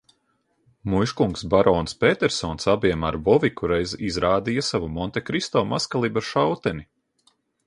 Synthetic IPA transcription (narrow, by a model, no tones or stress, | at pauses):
mujʃkuŋksbaɾɔːnspʲeːt̪ɛɾsɔːnsabiɛmaɾbɔvikuɾɛjzizɾaːd̪ijasavumɔnt̪ɛkɾist̪ɔːmaskalˠibaʃawt̪ɛni